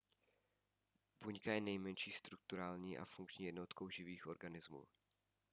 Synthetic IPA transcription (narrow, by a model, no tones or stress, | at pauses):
buɲkajɛnɛjmɛnʃiːst̪ɾuk̚t̪uɾaːlɲiːʔa̰fuŋkt͡ʃɲiːjɛdno̞t̪kʰowʒɪviːxʔo̞ɾɡanɪzmṵː